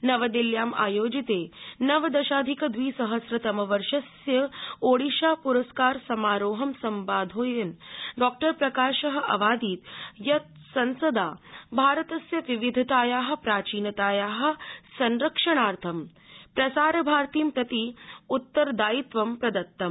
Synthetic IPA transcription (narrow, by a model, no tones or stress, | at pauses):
nɐʋɐd̪iljaːma̰ːjoːd͡ʒit̪eːnɐʋɐd̪ɐʃaːd̪ʱikɐd̪ʋiːsɐɦɐsɾɐt̪ɐmɐʋɐɾʃɐsjɐoːɽiʃaːpuɾɐskaːɾsɐmaːɾoːɦɐmsɐmʋaːd̪ʱoːjɐnɖɔːk̚ʈɐɾpɾɐkaːʃɐɦɐ̆ʔɐ̰ʋaːd̪iːt̪jɐt̪̚ | sɐnsɐd̪aːbʱaːɾɐt̪ɐsjɐʋiʋid̪ʱɐt̪aːjaːɦɐ̆pɾaːt͡ʃiːnɐt̪aːjaːɦɐ̆sɐnɾɐkʂɐɳ̃aːɾt̪ʰɐm | pɾɐsaːɾɐbʱaːɾt̪iːmpɾɐt̪iut̪ːɐɾd̪aːit̪ʋɐmpɾɐd̪ɐt̪ːɐm